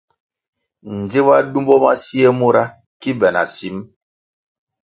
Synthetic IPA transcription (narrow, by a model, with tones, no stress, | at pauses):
n̩˨d͡ze˦βa˦du˦mbɔ˦ma̰˦si˦e˦mu˦ɾa˦ | ki˦bɛ˨na̰˨si˨˦m